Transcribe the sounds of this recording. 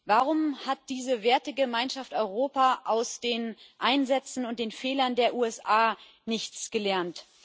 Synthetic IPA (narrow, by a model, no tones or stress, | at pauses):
vaʁʊmhat̚d̥iːzəveːɐtəɡəmaɪnʃaftɔʏʁoːpaʔaʊsd̥eːnʔaɪnzɛt͡sn̩ʊnt̚d̥eːnfeːlɐndeːɐʔuːɛsʔaː | nɪçt͡sɡ̥əlɛɐnt